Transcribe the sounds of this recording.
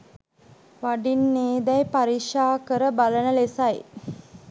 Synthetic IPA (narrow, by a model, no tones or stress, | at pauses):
ʋaɖinːeːd̪ɛjpaɾiʂaːkəɾəbalənəlesaj